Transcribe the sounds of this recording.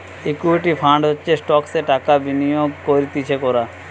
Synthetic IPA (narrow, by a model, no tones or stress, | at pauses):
ikuiʈipʰaɳɖɦotːʰesʈɔkseʈakabinijoɡkoɾit̪it͡ɕʰekɔɾa